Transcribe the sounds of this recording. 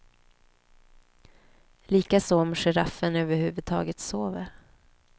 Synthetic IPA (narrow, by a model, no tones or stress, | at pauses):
liːkasɔɔmʂɛɾafːənøːvəɾhʉ̟ːvɵd̪̚t̪ʰɑ̰ːɡət̪soːvəɾ